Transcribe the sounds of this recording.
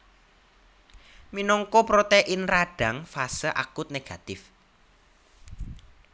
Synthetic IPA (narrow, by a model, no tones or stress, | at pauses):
minɔŋkopɾot̪eʔɪnraɖ̥a̤ŋfasəʔa̰kʊt̪̚neɡ̥a̤t̪ɪf